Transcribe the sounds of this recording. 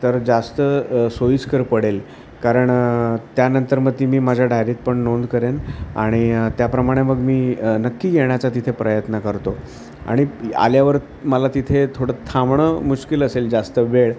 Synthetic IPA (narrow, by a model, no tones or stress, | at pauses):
t̪əɾd͡zast̪əsojiskəɾpəɽel | kaɾəɳt̪janənt̪əɾməd̪ʱːimiːmad͡ʑʱjaɖʱajɾiːt̪̚pəɳnond̪kəɾena̰ɽ̃it̪japɾəmaɽ̃eməɡmiːnəkːiːɡeɳjat͡sat̪it̪ʰepɾəjət̪nəkəɾt̪o | a̰ɽ̃ia̰ljaʋəɾ | məlat̪it̪ʰet̪ʰoɽət̪ʰamɳəmuɕkiləseld͡zast̪əʋeɭ